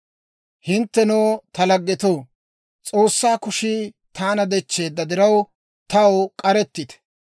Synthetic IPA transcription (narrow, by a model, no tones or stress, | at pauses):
hɪnt̪ːɛnoːt̪ɐlɐɡːɛt̪oː | t͡sʼo̞ːsːaːkʊʃiː | t̪ʰaːnɐd̪ɛt͡ʃːe̞ːd̪ːɐd̪ɪɾɐw | t̪ɐwkʼɐɾɛt̪ːɪt̪ɛ̥